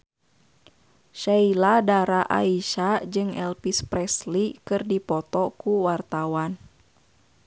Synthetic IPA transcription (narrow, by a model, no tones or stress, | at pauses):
ʃailadaɾaʔa̰iʃad͡ʒɨŋɛlpispɾɛslikɨrdipɔt̪ɔkuwart̪awan